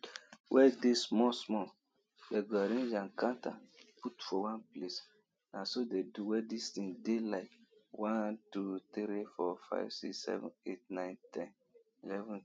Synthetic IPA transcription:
wʔɛdismɔsmɔ | deɡɔɾĩnd͡ʒãnkãnta̰putfɔwãnples | nasodeduwɛdistĩŋdelaɪwãntut̪ɾifɔfa̰ɪvsiksɛ̰vɔ̰̃net̚nãɪ̃ntʰɛ̃n | ilɛvũn

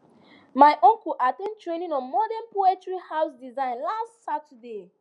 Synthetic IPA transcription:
maɪʔɔ̃ŋkuʔatɛ̃ntɹẽnĩnɔ̃nmɔdɛ̃npoɛtɹihawsdizãɪ̃nlastsatəde

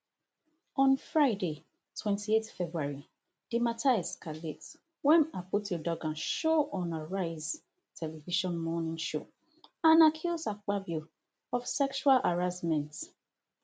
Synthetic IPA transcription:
ɔ̃nfɹaɪde | twɛ̃ntʰietfɛbɹuaɹi | d̥imatʰaɛskalet | wɛ̃naputidɔɡãnʃoɔ̃naɹaɪz | tʰɛlɛviʃɔ̃nmɔnĩŋʃo̰ | ãnakʰulsak͡pabju | ɔfsɛkʃualʔaɹasmɛ̃nt

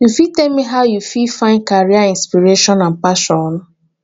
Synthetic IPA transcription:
jufitɛlmiɦaʊjufifãɪ̃nkaɹiaĩnspiɹeʃɔ̃nãnpaʃɔ̃n

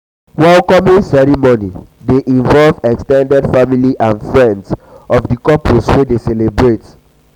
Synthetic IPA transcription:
wɛlkɔmĩnsɛɹimonideʔĩɱvɔlvɛkstɛ̃ndɛdfamiliʔãnfɹɛ̃ndsɔfdikɔposwedesɛlebɹet

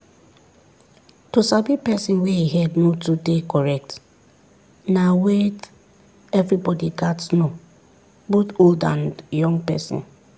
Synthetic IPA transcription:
tosabipɛsĩnweiɦɛdnotudekɔɹɛk̚t | nawet | ɛvɹibɔdiɡatsno | botoldã̰njɔ̃ŋɡpɛ̰sḭ̃n

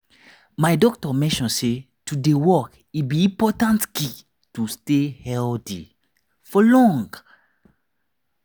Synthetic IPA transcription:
majdɔk̚tɔmɛ̃nʃɔ̃nse | tudewɔk | itbiĩpɔtãntki | tustehɛldi | fɔlɔ̃ŋɡ

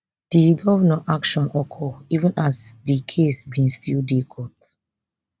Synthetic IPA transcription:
d̥iɡɔvnaʔakʃɔ̃nʔɔkʰɔivũnʔasdikʰesbĩnstildikʰɔt

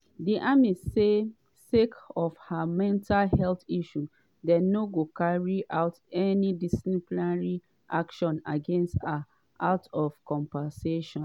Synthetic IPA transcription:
diʔamise | sekɔfhamɛ̃ntʰalhɛltiʃu | dɛnoɡokaɹiʔaʊtɛnidisiplaɹi | ʔakʃɔ̃na̰ɡẽnsta | atɔfkɔ̃mpɛseʃɔ̃

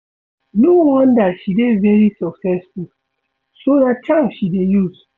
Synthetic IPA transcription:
nowɔ̃ndatʃidevɛɹisɔksɛsfu | soðat̚tʰãmʃidejuz

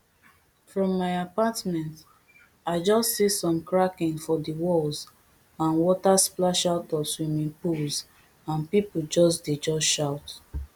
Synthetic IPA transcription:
fɹɔ̃mːaɪapatmɛ̃nt | aɪd͡ʒɔstsisɔ̃mkɹakĩŋfɔdiwɔlz | ãnwɔtasplaʃaʊtɔswĩmĩŋpulz | ãnpipud͡ʒɔsded͡ʒɔsʃaʊt

